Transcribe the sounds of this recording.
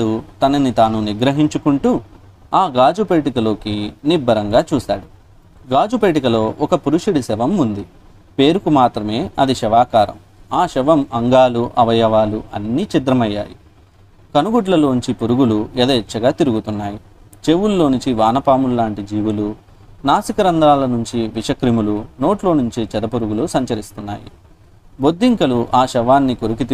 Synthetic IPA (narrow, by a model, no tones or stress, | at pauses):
ut̪ɐnɐnit̪aːnuniɡɾɐɦiɲt͡ʃukuɳʈuː | aːɡaːd͡ʒupe̞ːʈikɐlo̞ːkinibːɐɾɐŋɡaːt͡ʃuːsaːɽu | ɡaːd͡ʒupeːʈ̬ikɐlo̞ːʔɔkɐpuɾuʂiɽisɛʋɐmund̪i | pe̞ːɾukumaːt̪ɾɐme̞ːʔɐd̪iʃɛʋaːkaːɾɐ̰m | aːʃɛʋɐmɐŋɡaːluʔɐʋɐjɐʋaːluʔɐ̰nːiːt͡ʃid̪ɾɐmɐjːa̰ːjḭ | kɐnuɡuʈlɐlo̞ːɲt͡ʃipuɾuɡuluɛd̪ɐːt͡ʃːɐɡaːt̪iɾuɡut̪unːaːji | t͡ʃeʋulːo̞ːnuɲt͡ʃiʋaːnɐpaːmulːaːɳʈid͡ʒiːʋulu | naːsikɐɾɐnd̪ɾaːlɐnuɲt͡ʃiʋiʂɐkɾimuluno̞ːʈlo̞ːnuɲt͡ʃit͡ʃɛd̪ɐpuɾuɡulusɐɲt͡ʃɐɾist̪unːa̰ːjḭ | bod̪ːiŋkɐluʔaːʃɛʋaːnːikoɾuk̬it̪